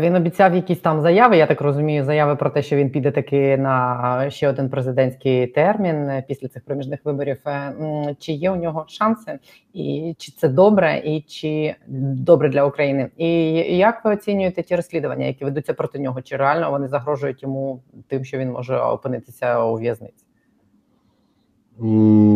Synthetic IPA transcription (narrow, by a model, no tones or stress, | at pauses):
ʋʲinɔbʲit͡sʲawjɐkʲisʲt̪ɑmzɐjaʋɪjat̪akrɔzʊmʲijʊzɐjaʋɪpɾɔt̪ɛʃt͡ʃɔʋʲinpʲid̪ɛt̪ɐkɪnɐʃt͡ʃɛɔd̪ɪnpɾezɪd̪ɛnʲsʲkɪjt̪ɛrmʲinpʲisʲlʲɐtsɪxpɾɔmʲiʒnɪxʋɪbɔɾʲif | t͡ʃɪjɛʊnʲɔɦɔʃɑnsɪ | ḭt͡ʃɪ̥t̪sɛd̪ɔbɾɛʔit͡ʃɪd̪ɔbɾɛd̪lʲɐukɾɐjinɪijakʋɪɔt͡sʲinʲʊjet̪ɛtʲiɾɔsʲlʲid̪ʊʋɐnʲːɐ̰jɐkʲiʋed̪utʲt͡sʲːɐpɾɔt̪ɪnʲɔɦɔt͡ʃɪɾealʲnɔʋɔnɪzɐɦɾɔʒʊjʊtʲjɔmut̪ɪmʃt͡ʃɔʋʲinmɔ̰ʒɛɔ̰pɪnɪt̪ɪ̥sʲɐuʋʲjɐznɪ̰t͡sʲ